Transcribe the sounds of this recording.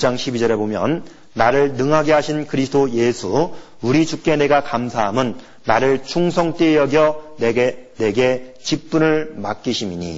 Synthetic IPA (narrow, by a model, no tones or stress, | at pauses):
t͡ɕ͈aŋɕʰibid͡ʑʌɾe̞bomjʌnː | aɾɯɭnɯŋɦaɡe̞ɦaɕʰinkɯɾisʰdoje̞sʰu | uɾit͡ɕuk͈e̞ne̞ɡakamsʰaɦamɯnː | aɾɯɭt͡ɕʰuŋsʰʌŋt͈ejʌɡjʌneɡene̞ɡe̞ | t͡ɕip͈unɯɭmak͈iɕʰimiɲḭ